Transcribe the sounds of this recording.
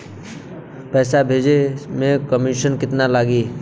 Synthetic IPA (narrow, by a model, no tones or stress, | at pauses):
pɛːsabʱeːd͡ʒemẽkəmiʃənkɪt̪nalaːɡiː